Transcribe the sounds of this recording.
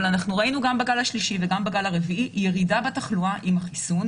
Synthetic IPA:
lanaχnuʁainuɡambaɡalaʃliʃiveɡambaɡalaʁeviʔijeʁidabataχluaʔimhaχisun

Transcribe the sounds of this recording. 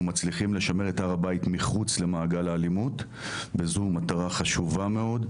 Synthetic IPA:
mat͡sliχimle̞ʃame̞ʁetaʁabajitmiχut͡sle̞maːɡalaːlimut | bezumataʁaχaʃuvame̞o̞d

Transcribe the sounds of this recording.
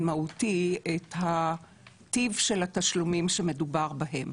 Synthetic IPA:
mautietha | tivʃe̞lhataʃlumimʃeme̞dubaʁbaɦe̞m

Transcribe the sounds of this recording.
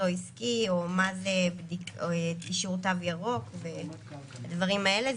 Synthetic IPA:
oiskio̞mazebdiktiʃuʁtavjaʁo̞kve̞ | advaʁimae̞le

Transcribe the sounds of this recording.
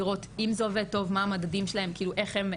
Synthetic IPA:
iʁo̞timzeoveto̞vmaamad̪adimʃelahe̞mkiːluʔe̞χhem

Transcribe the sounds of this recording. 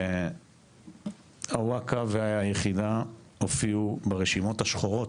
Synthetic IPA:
hawakaveaajeχida | ofiubeʁeʃimo̞thaʃχoʁot

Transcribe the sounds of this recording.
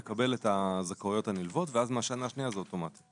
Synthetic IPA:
ekabe̞letazakaujo̞tanilvo̞tveazmaʃanaʃnijazeoto̞mati̥

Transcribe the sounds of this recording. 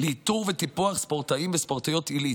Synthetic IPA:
leit̪uʁvet̪ipuaχspoʁt̪aimvespoʁt̪ijo̞t̪ili

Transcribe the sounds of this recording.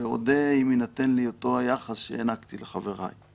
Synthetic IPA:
eo̰d̪eiminat̪enliot̪o̞ajaχasʃḛenakt̪ileχave̞ʁa̰j

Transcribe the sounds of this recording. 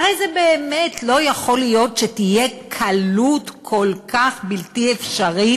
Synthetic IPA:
aʁejzebe̞ːme̞tʰlo̞jaχo̞lijo̞tʃetije̞kʰalutkʰo̞lkaχbiltiefʃaʁi

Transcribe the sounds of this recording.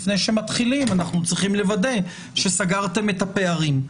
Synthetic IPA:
fne̞jʃemat̪χilimanaχnut͡sʁiχimle̞vad̪e̞ | ʃe̞saɡaʁt̪e̞me̞t̪ape̞aʁim

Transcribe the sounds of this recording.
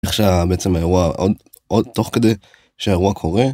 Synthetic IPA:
eχʃeabeet͡semaeʁuaʔo̰d̪ | ʔod̪̚t̪oχked̪ej | ʃeeʁuakʰo̞ʁe

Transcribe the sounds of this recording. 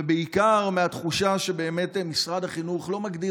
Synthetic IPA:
beikaʁmeat̪χuʃaʃebe̞ːme̞tːmisʁad̪haχinuχlo̞maɡd̪i

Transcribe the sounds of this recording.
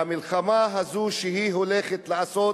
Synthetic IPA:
amilχamaɦazuʃeɦiɦoleχet̪laaso

